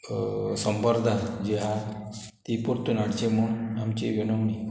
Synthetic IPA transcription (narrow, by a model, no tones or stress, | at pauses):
səmbəɾd̪ʱad͡ʑeɦa | t̪ipuɾt̪unaɽt͡ɕemuɳamt͡ɕiʋinəwni